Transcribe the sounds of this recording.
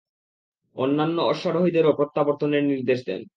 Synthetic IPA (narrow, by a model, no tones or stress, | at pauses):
onːanːoɔʃːaɾoɦid̪eɾopɾot̪ːaboɾt̪ʰoneɾniɾd̪eʃd̪ḛn